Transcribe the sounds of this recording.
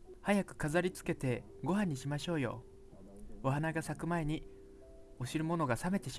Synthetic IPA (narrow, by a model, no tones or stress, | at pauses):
hajakɯ̟̥kazaɾʲit͡sɨ̥ke̞t̪e̞ | ɡo̞ɦãɲ̟ːiɕimaɕo̞ːjo̞̰ | o̞ɦanaɡasakɯ̟mae̞ɲ̟i | o̞ɕiɾɯ̟mo̞no̞ɡasame̞t̪e̞ɕi